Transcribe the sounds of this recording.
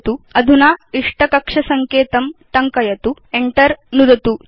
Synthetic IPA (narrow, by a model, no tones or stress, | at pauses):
t̪uɐd̪ʱunaːiʂʈɐkɐkʂɐsɐŋkeːt̪ɐmt̪ɐŋkɐjɐt̪ueɳʈɐɾnud̪ɐt̪u